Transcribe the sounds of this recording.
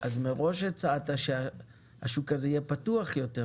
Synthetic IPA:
ʔazmeʁo̞ʃet͡saat̪aʃea | ha̰ʃukazejepatuaχjo̞te

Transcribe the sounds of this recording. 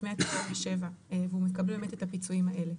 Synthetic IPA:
meatḁfaveʃe̞vaevehumekablubemet̪etapit͡suimaʔe̞le̞

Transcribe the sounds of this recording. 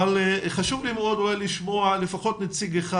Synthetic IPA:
alχaʃuvlimod̪oeliʃmoalefaχo̞t̪nat͡siɡeχa

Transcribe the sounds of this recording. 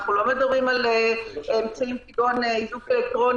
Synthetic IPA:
χnulomed̪abʁimaleemt͡saimpidonizukelek̚t̪ʁon

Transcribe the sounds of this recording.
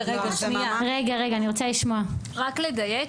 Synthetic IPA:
eɡamiaʁeɡaʁeɡaːniʁo̞t͡saliʃmoa | ʁakled̪aje

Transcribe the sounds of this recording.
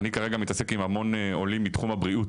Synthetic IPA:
nikaʁe̞ɡamit̪ase̞kimamo̞neo̞limːit̪χumabʁiut

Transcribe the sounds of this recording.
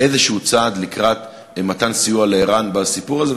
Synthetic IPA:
ʔezeʃehut͡saːd̪likʁat̪ | mat̪ansijualeiʁanbasipuʁaze

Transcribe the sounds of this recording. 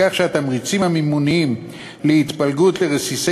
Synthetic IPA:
aχʃeat̪amʁit͡simamimunim | leit̪palɡut̪leʁesise

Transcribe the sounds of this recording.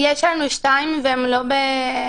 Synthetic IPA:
jɛʃaɾnuʃt̪ajmvemlobe

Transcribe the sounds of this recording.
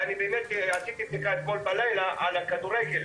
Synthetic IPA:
anibeːmet̪asit̪ibnikaet̪̚kolbalajlaʔalakad̪uʁeɡel

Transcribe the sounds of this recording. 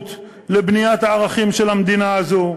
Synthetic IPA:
t̪ | lebnijat̪haːʁaχimʃe̞lamd̪inazo

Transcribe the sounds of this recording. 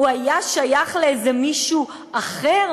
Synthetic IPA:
uajaʃajaχleezemiʃu | aχeʁ

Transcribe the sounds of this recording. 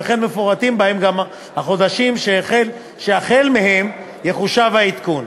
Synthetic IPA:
eχenmefoʁat̪imbahe̞mɡam | haχo̞d̪aʃimʃeχel | ʃeaχelmehe̞m | jeχuʃavhait̪kun

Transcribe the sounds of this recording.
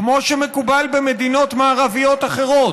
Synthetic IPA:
kmo̞ʃemekubalbemed̪ino̞t̪maːʁavijo̞t̪aχe̞ʁo̞t

